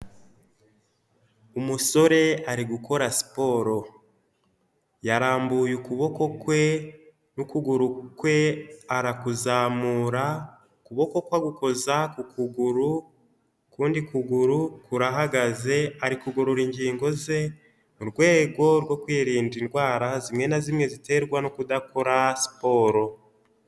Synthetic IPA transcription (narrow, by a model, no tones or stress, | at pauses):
umuso̞ɾe̞aɾiɡuko̞ɾasi̥po̞ːɾo̞ | jaɾaːmbujukuβo̞ko̞kwe̞ | nukuɡuɾukwe̞aɾakuzaːmuːɾa | kuβo̞ko̞kwaɡuko̞zakukuɡuɾu | kuːndikuɡuɾukuɾaɦaɡaze̞aɾikuɡoɾoɾiɲɟiːŋɡo̞ze̞ | muɾɡwe̞ːɡo̞ɾwo̞kwiːɾiːndinɡwaːɾazimŋe̞nazimŋe̞zite̞ɾɡwanokudako̞ɾasi̥po̞ːɾo̞